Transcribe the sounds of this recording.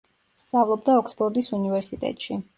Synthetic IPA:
st̪sʼavlˠɔbd̪aɔksbɔɾd̪isunivɛɾsit̪ʼɛ̰t̪ʼʃi

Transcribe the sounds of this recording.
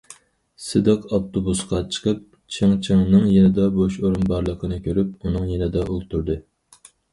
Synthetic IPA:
sɨd̪ɨqɑft̪ʰobusqɑt͡ʃʰə̥qəp̚ | t͡ʃʰɨŋt͡ʃʰɨŋnɨŋjenɪd̪ɑboʃoɾunbɑɾlˠəqʰənɨkʲʰøɾypunɨŋjenɪd̪ɑʔolˠt̪ʰuɾd̪ɨ

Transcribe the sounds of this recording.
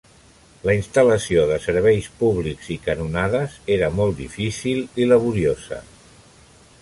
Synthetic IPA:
ləinst̪ələsioðəsəɾβ̞ɛjspuβlikzikənunaðəzeɾəmɔlˠt̪d̪ḭfisililəβ̞uɾiozə̰

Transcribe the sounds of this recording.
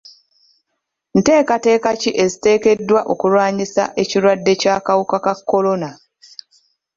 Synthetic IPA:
n̩te̞ːkate̞ːkaciʔe̞zite̞ːke̞dːwaʔo̞kulwaːɲisa̰ʔe̞ciɾwadːe̞caːkawukakakːo̞lo̞na

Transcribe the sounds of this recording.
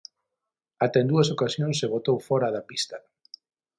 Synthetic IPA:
at̪ɛẽnd̪uɐsokasjõŋseβot̪owfɔɾaðɐpist̪ɐ

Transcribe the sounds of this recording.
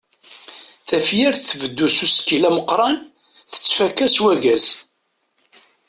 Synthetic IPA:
θæfjiɾθθvəd̪ːususkilæməqɾˤɑn | θə̥t͡sːfækːæswæɡæz

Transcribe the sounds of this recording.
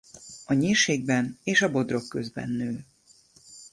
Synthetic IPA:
ɒɲeːrʃeːɡ̚bɛneːʃɒbo̞d̪ro̞kːø̞zbɛ̰nːøː

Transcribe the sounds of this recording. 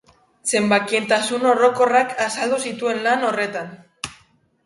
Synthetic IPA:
se̞mbakie̞nt̪asuno̞ro̞ko̞rakasald̪usit̪ue̞nlano̞re̞t̪an

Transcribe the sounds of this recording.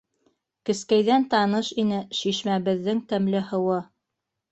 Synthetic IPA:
kɘ̆skæjðænt̪ɑnɤʃinɘʃiʃmæβɘ̆ðːɘŋt̪æmlɘhɤ̆wɤ

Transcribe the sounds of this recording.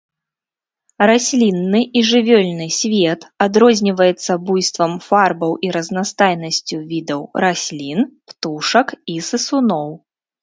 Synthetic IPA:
ɾasʲlʲinːɨʔiʐɨvʲɔlʲnɨsʲvʲɛt̪ad̪ɾɔzʲnʲivɐjɛt̪sːɐbujst̪vɐmfarbɐwʔiɾɐznast̪ajnɐsʲt͡sʲuvʲid̪ɐwɾasʲlʲinpt̪uʂɐkisɨsunɔw

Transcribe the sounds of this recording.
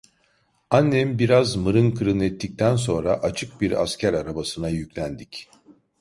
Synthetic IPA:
anːɛmbiɾazmɯɾɯnkʰɯɾɯnɛt̪ʰːic̚t̪ʰæns̬o̞nɾaʔat͡ʃʰɯk̚biɾa̰scʰæɾaɾabasɯnajycʲlʲænd̪ic

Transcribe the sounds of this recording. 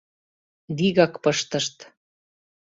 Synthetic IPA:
d̪iɣɑkpɤʃt̪ə̆ʃt̪

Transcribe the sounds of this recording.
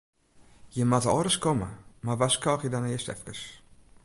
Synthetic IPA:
jəmatəɔɾəskɔmə̰marʋaskɔːxjədɔnajəstɛ̰fkəs

